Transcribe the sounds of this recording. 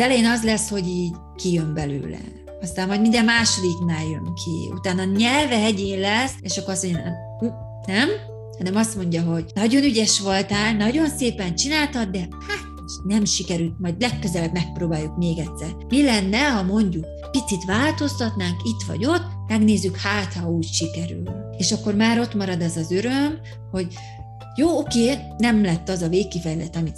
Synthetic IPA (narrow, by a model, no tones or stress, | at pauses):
ɛlɛjenɒzlɛsho̞ɟiːɟ | kijømbɛlø̰ːlɛ̰ | ɒst̪aːmːɒjd̪mind̪ɛmmːaːʃo̞d̪iknaːjøŋkʰḭṵt̪aːnɒɲɛlvɛɦɛɟeːnlɛseːʃɒkːoɾɒsmoɲɟmɛ | u | nɛm | hɒnɛmɒst̪mo̞ɲɟɒɦo̞ɟnɒɟo̞nyɟɛʃʋo̞lt̪aːlnɒɟo̞nseːpɛnt͡ʃinaːlt̪ɒd̪d̪ɛhaːt̪ | ʃnɛmʃikɛɾylt̪mɒjd̪lɛkːøzɛlɛbmɛk̚proːbaːjːukmeːɡɛt̪sɛrmilɛnːɛɦɒmo̞ɲɟuk̚ | pit̪sit̪ʋaːlt̪o̞st̪ɒt̪naːŋkit̪ʋɒ̰ɟo̞t̪ː | mɛɡneːzːykhaːt̪hɒuːcʃikɛɾy̰lnieːʃɒkːo̞rmaːɾo̞t̪mɒɾɒd̪ɛzɒzøɾøm | ho̞ɟ | joːokeː | nɛmlɛt̪ːɒzɒveːkːifɛjlɛt̪ɒmit̪